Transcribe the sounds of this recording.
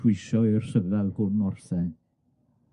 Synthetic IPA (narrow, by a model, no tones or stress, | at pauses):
wɪʃɔirsəvɛlˠɡʊrnɔrθɛn